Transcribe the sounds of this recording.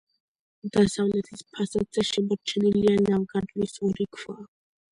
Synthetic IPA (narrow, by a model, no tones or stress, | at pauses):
d̪̥asavlɛt̪ʰispʰasad̪z̥ɛʃɛbɾt͡ʃʰɛnilianavɡad̪lisɔɾikʰva